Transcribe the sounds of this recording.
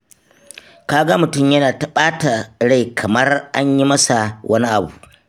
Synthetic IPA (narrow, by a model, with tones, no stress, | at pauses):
kaː˦ɡa˦mʊ˨tʊ˦˨mjɐ˦naː˨tɐ˦ɓaː˦ta˨ɽa˦˨jkʰɐ˨mɐ˦rʔa˦ɲji˦mɐ˦sa˨wʔɐ˦ni˦ʔa˨buː˨ʔ